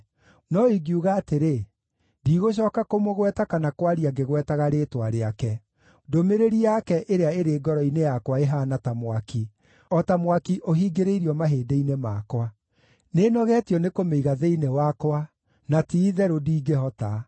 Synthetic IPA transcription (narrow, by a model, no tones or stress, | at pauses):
nɔiɡiuɣaːteɾe | diːɣoɕ̬ɔːkakomoɣwɛtakanakwaɾiaɡeɣwɛtaɣaɾeːtwaɾeakɛ | domeɾeɾiakɛʔeɾeaeɾeːɡɔɾɔinejakwaeɦaːnatamwaki | ɔtamwakiʔoɦiːɡeɾeiɾiɔmaɦeːdeinemakwa | nenɔɣɛːtjɔnekomeiɣaðeinewakwa | natiːðɛɾodiːɡehɔta